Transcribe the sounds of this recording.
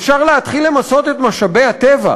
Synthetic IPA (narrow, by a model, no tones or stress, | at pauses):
fʃaʁleat̪χilːe̞maso̞t̪et̪maʃabehat̪eva̰